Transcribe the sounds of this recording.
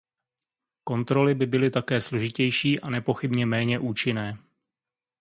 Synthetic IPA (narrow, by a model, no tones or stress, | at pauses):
ko̞nt̪ɾo̞lɪbɪbɪlɪt̪akɛːslo̞ʒɪcɛjʃiːʔanɛpo̞xɪbɲɛmɛːɲɛʔuːt͡ʃɪnɛː